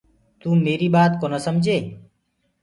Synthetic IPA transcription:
t̪uːmeːɾiːɓaːt̪koːnəsəmd͡ʒʱeː

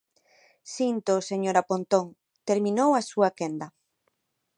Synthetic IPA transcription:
sint̪oseɲoɾapont̪oŋ | t̪eɾmĩnowasuakend̪ɐ

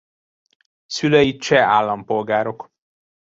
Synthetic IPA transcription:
syløjit͡ʃɛaːlːɒmpo̞lɡaːɾo̞k

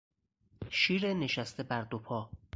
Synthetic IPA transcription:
ʃiːɾene̞ʃæst̪ʰe̞bæɾd̪opʰɒː

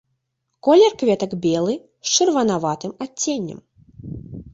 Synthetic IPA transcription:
kɔlʲɛrkvʲɛt̪ɐɡbʲɛlˠɨ | st͡ʂɨrvɐnavat̪ɨmat͡sʲːenʲːɐ̰m

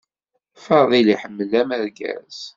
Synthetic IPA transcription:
fəɾðˤiliħəmːəlːæmæɾɡæ̰z̥

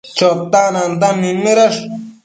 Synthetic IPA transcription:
t͡ʃot̪ːanand̪anːimiɾaʂ

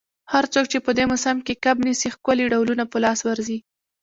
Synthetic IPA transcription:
haɾt͡sok̚t͡ʃepəd̪emʊsamkekabnisixkaliɖawlunapəlɑswaɾzi

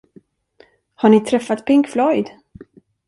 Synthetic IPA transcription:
haɳɪt̪ʰɾɛfat̪pʰɪŋkflɔjd̪

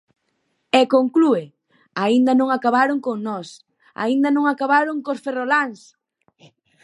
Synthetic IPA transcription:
ɛkoŋklue | aind̪ɐnõŋakaβaɾoŋkoŋnɔs | a̰ind̪anõŋakaβaɾoŋkosferolaŋs

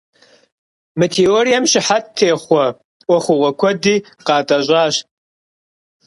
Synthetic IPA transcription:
mɐtʰeoɾijɐmʃɪħattʰːeːχʷɔ | wɔχʷʊʁʷɔkʷʰɔdiː | qɑːtʼɐʑʷʼaːɕ

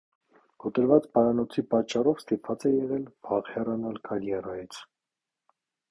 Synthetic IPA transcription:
kɔt̪əɾvɑt͡spɑɾɑnɔt͡sʰipɑt͡ʃːɑrɔvst̪ipvɑt͡sɛjɛʁɛlbɑʁhɛrɑnɑlkʰɑɾjɛrɑjit͡sʰ

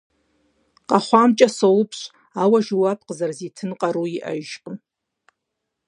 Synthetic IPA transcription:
qʼaχʷamt͡ʃʼasolpʰɕʷ | awaʒuwap̚ʰqʼəzarzitʰɨnqʼaɾuiʔa̰ʒʒqʼəm

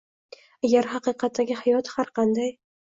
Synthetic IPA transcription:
aɡʲaɾɦɑqɨqɑt̪ːaɡʲɪhajɒt̪haɾqʰɑnd̪aj

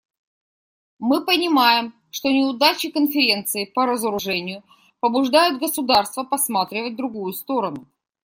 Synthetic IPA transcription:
mɨpənʲɪmajɪm | ʂt̪onʲɪʊd̪at͡ɕɪkənfʲɪɾʲe̞nt̪sɨɪpəɾəzəɾʊʐɛnʲɪjʊ | pəbʊʐd̪ajʊt̪̚ɡəsʊd̪arst̪vəpɐsmat̪ɾʲɪvət̚ʲd̪ɾʊɡujʊst̪o̞ɾənʊ

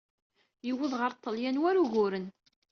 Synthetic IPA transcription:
jəwːəðʁəɾt̪ˤːəljænwæɾuʝʊɾən

